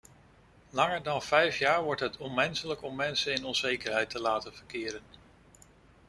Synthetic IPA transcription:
lɑŋəɹdɑnv̥ɛjfjaːɹʋɔɹtɦətʰɔnmɛnsələkɔmːɛnsənɪnɔnzejkəɹɦɛjtəlaːtənv̥əɹkɪːɾən

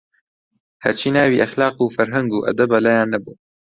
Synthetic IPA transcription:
hɐ̰ɾt͡ʃʰiːnaːwiːʔɐxlaːqufɐɾɦɐŋɡuːʔɐ̰d̪ɐbɐlajaːnːɐbuː

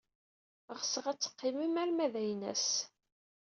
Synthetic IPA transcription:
ʁsəʁæt͡sːə̥qːɪmimæɾmæðæjnæ̰s

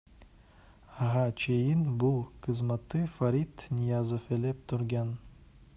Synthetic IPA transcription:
aɦat͡ʃʰejinbulˠqʰɨzmɑt̪ːɯfaɾit̪nʲijazofelep̚t̪ʰuɾɡɑn

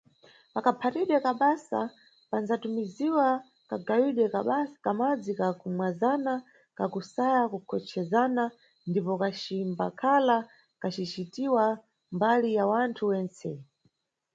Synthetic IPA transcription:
pakapʰatiɗwɛkaɓasa̰ | panzatumiziwa | kaɡawiɗwɛkakamad͡zikakumwazana | kakusajakukʰɔt͡ʃʰɛzana | ndipɔkat͡ʃimbakʰala | kat͡ʃit͡ʃitiwa | mbalijawantʰuwɛnt͡sɛ

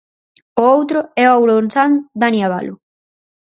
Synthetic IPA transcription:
oowt̪ɾʊɛoawɾonsand̪aniaβa̰lʊ

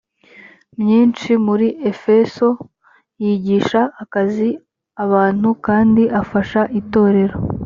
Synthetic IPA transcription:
mɲiːnt͡ʃimuɾiʔe̞fe̞so̞ | jiːɟiːʃaːkazi | aβaːn̥hukaːndiʔafaʃaʔito̞ːɾe̞ɾo̞

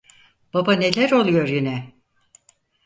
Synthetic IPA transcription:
b̥abane̞lʲæɾo̞lˠujo̞ɾjinɛ

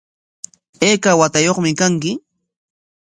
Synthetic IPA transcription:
eːkawat̪ajoχmɪkaŋkɪ

